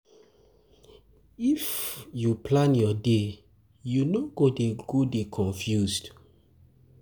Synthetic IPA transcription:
ifjuplãnjɔde | junoɡodeɡ̥odekʰɔ̃ɱfjuzd̥

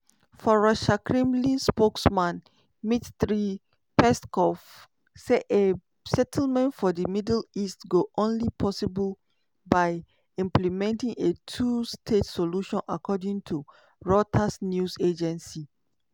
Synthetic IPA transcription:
fɔɹaʃakʰɹĩmlĩnspoksmãn | mittɹi | pɛskɔf | seʔe | sɛtʰlmɛ̃ntfɔdəmidlistɡoʔõnlipʰɔsibəl | baɪ | ĩmplimɛ̃ntĩŋetʰustʰetsoluʃɔ̃nʔakʰɔdĩŋtʰu | ɹɔtʰasnjused͡ʒɛ̃nsi

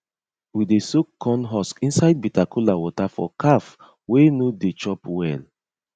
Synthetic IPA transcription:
widesokʰːɔ̃nɦɔskĩnsajd̚bitakʰulawɔtafɔ̰kʰaf | wenudet͡ʃɔpwɛl

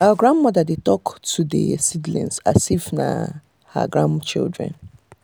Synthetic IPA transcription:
awaɡɹãnmɔdadetɔktʰudə̰sidlḭ̃nsa̰sifna̰ | ha̰ɡɹãnt͡ʃḭldɹɛ̰̃n

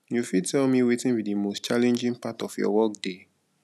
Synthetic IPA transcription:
jufidtɛlmiwetĩnbidimost͡ʃalɛ̃nd͡ʒĩŋpatɔfjɔ̰wɔk̚d̥e

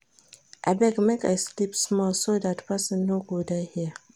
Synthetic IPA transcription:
ʔabɛɡmeka̰slipsmɔlsodatpasə̃nːoɡodaɪhiə

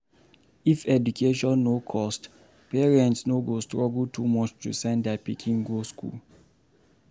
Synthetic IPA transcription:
ifɛdukʰeʃɔ̃nːokʰɔst | pɛɹɛ̃ntsnoɡostɹɔɡltʰumɔt͡ʃtṵsɛ̃ndɛpikʰĩŋɡoskʰṵl

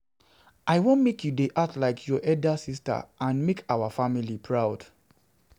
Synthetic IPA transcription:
ʔaɪwõnmekjudeʔatlaɪkʰjɔʔɛldasista̰ʔãnmekʰawafamilipʰɹaʊd

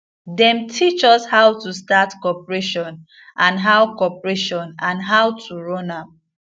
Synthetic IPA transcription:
dɛ̃mtʰit͡ʃɔshawtustatkɔpɹeʃɔ̃n | ʔãnɦawkɔpɹeʃɔ̃nãnɦawtʰuɹɔ̃nam

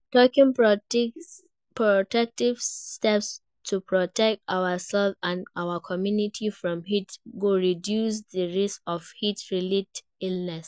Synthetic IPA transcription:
tɔkĩŋ | pɹɔtɛk̚tivstɛps | tʰupɹɔtɛk̚taʊəsɛlfãnawəkʰɔmjunitʰifɹɔ̃mɦitɡoɹidjus̬ðəɹiskɔv̥hitɹilit | ilnɛs

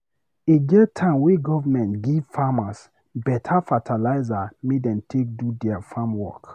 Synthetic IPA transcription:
eɡɛtʰãnweɡɔvamɛ̃ntɡivfamas | bɛtʰafatʰalaɪzamedɛ̃ntʰek̚dudɛafamwɔ̰k

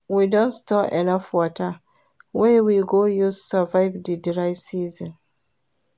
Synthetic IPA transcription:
widɔ̃ntstɔʔɛnafwɔta | wɛwiɡojussavaɪvdidiɹaɪsiz̃n

